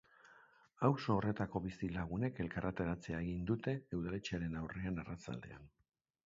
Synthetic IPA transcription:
awso̞ːre̞t̪ako̞βisilaɣ̞une̞ke̞lkarʔat̪e̞ɾat͡se̞aeɣind̪ut̪e̞ːwðale̞t͡ʃeaɾe̞nawre̞anarat͡sa̰ld̪e̞̰a̰n

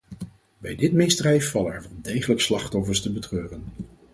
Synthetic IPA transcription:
bɛjdɪtmɪsdrɛjfːɑlənɛ̰ɹʋɑnˠdejχələkslɑχtɔfəɹstəbətrøːrən

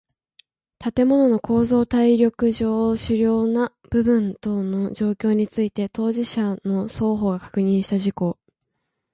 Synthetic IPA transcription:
t̪at̪e̞mo̞no̞no̞kʰo̞ːzo̞ːt̪aiɾʲo̞kɯ̟ʑo̞ːɕɨɾʲo̞ːna | b̥ɯ̟bɯ̟̃nt̪o̞no̞ʑo̞ːkʲo̞ːɲ̟it͡sɨit̪e̞t̪o̞ːʑiɕano̞so̞ːɦo̞ːɡakḁkɯ̟ɲ̟ĩɕi̥t̪aʑiko̞ː

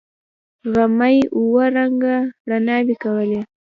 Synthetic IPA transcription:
ɣamajuwaɾaŋɡaɽanɑwikawəle

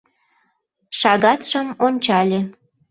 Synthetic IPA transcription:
ʃɑɣɑt̪ʃəmonʲt͡ɕɑlʲe

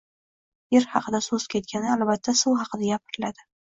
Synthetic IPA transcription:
jeɾhɑqʰɨd̪asɵz̥kʲʰe̞t̪̚kʲanɪalbat̪ʰːasʊwɦɑqʰɨd̪aɡʲapʰɪɾɪlad̪ɪ

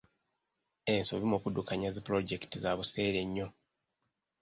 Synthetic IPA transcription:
ensoβimokudukaɲazipɾo̞ɟektizaβuse̞ːɾe̞ɲːo̞

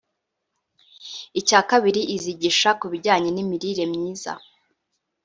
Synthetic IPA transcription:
icaːkaβiɾiʔiziɟiʃakuβiɾɟaːɲenimiɾiɾe̞mɲiːza̰

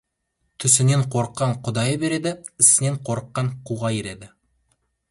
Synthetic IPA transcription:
t̪ʰɵ̆sɪ̆neɴqʰoɾqːɑɴqʰŏd̪ɑjəbe̞ɾed̪ɪɪ̆sɪ̆ne̞ɴqʰoɾqːɑɴquʁɑjiɾe̞d̪ɪ

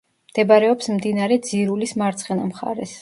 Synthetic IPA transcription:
md̪̥ɛbaɾɛɔpsmd̪inaɾɛd̪ziɾulismaɾt̪sʰχɛnamχa̰ɾɛs

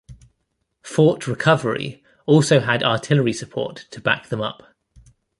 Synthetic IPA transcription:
fɔˑʔɹɪkʰʌvəɹḭ | ɔˑlˠsəʊədɑːˑtʰɪləɹisəpʰɔ̰ˑtʰəba̰k̚ðə̃mʌ̰p

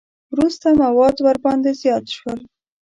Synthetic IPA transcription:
wɾust̪amawɑd̪waɾbɑnd̪ezjɑt̪ʃwəl

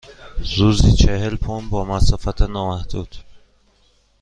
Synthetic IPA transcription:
zuzd̪it͡ʃʰehelpʰombɒːmæsɔːfæt̪ʰɛnɒːmæhd̪̥uːd̪̥

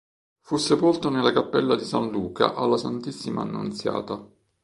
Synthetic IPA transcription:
fusːepolt̪onelːakapːɛlːad̪isanluːka̰ʔalːasant̪isːima̰ːnːṵnt̪sja̰ːt̪a

